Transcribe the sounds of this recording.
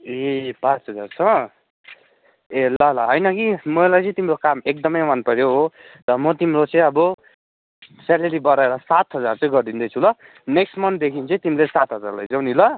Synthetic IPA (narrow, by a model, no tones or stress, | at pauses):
ebat͡sɦʌd͡zart͡sʰʌ | elʌlʌɦʌjnʌkimʌjlajt͡sʌ̃j̃t̪imrokamek̚d̪ʌmʌjmʌnpʌɾjoɦot̪ʌmʌt̪imrot͡sʌ̃j̃ʌbʌ | saleɾibʌɾaeɾʌsat̪ɦʌd͡zart͡sʌ̃j̃ɡʌrd̪ind̪ʌjt͡sʰulʌ | neksʈmʌnt̪d̪ekʰint͡sʌ̃j̃t̪imlesat̪ɦʌd͡za̰ɾlajd͡zʌwnilʌ